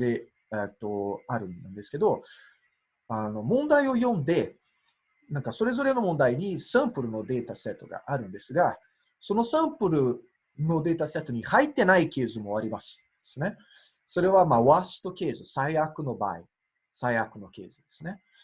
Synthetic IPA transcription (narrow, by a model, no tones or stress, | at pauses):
d̪e̞ | et̪ːo̞aɾɯ̟̃nand̪e̞sɨ̥ke̞d̪o̞ | ano̞mõ̞nd̪aio̞jõ̞nd̪e̞ | nãŋkaso̞ɾe̞zo̞ɾe̞no̞mõnd̪aiɲ̟isãmpɯ̟ɾɯ̟no̞d̪e̞ːt̪asɨat̪ːo̞ɡa̰ʔaɾɯ̟̃nd̪e̞sɨɡa | so̞no̞sãmpɯ̟ɾɯ̟ | no̞d̪e̞ːt̪asɨat̪oɲ̟ihait̪ːe̞naikʲe̞ːzɨmo̞aɾʲimasɨ̥d̪̥e̥sɨne̞ | so̞ɾe̞βamaːβasɨ̥t̪o̞kʲe̞ːzɨsaiakɯ̟no̞ba̰ːḭ | saiakɯ̟no̞ke̞ːzɨd̪e̞sɨne̞